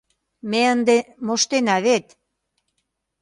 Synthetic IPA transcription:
meənd̪emoʃt̪enɑβet̪

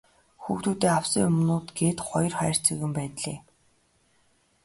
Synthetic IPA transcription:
xuxt̪uːt̪eːaw̥siŋɵmnʊːt̪ɡeːt̪χɔjɞ̆rχæːr̥t͡sɵɣɘ̆mpæːt̪ɮeː

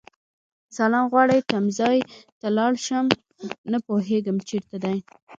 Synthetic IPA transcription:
salɑmɣwɑɽəjt̪amzɑjt̪alɑɽʃəm | napoɦeɡəmt͡ʃeɾt̪ad̪aj

